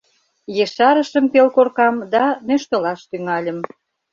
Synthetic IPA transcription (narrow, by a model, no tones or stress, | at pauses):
jeʃɑɾə̆ʃəmpelkorkɑmd̪ɑnøʃt̪ɤ̆lɑʃt̪yŋɑlʲə̆m